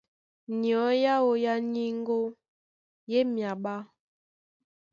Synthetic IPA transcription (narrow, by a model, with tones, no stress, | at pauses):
ni˨ɔ˨˦ja˦o˨ja˦ɲi˦ŋ˦ɡo˦ | je˦mja˨ɓa˦